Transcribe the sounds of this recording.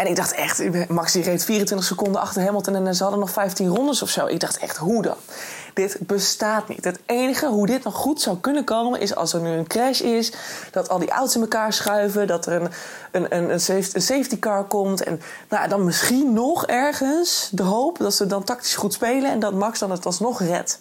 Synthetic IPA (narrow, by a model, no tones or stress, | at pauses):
ɛnɪɡ̚dɑχtɛ̰χtmɑksirejftfiːrəntʋɪntəχsəkɔndəɑχtəɹɦemɔlˠtənɛnɛnzəɦɑdənɔχfɛjftinrɔndəsɔfsowʔɪ̰ɡ̚dɑχtɛ̰χtɦudɑ̰n | d̥ɪtbəstaːtnḭtɦətejnəχəɦudɪtnɔχːutsawkɵnəkowmə̰nʔɪ̰sɑ̰lˠsəɹnyənkrɛʃɪsd̥ɑtɑlˠdiʔa̰wtsɪnməkaːɹsχœɥvədɑtərən | ənənənsefənsejftikɑɹkɔmtɛ̰n | noja̰dɑnmɪsχinːɔχɛɹχənsdəɦowpdɑtsədɑntɑkti̥sχutspejlənɛ̰ndɑtmɑksdɑnətɑlˠsnɔχrɛ̰t